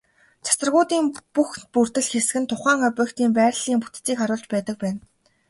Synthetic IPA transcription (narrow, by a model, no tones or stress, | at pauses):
t͡ɕʰḁsə̆rʁʊːt̪iːmpuxpur̥t̪ɘ̆ɮxes̆ɡɘ̆nt̪ʰʊχæːŋœpʲœːkt̪iːmpæːrɮiːmput̪t͡siːkχaɾʊːɮt͡ɕpæːt̪ə̆k̚pæːn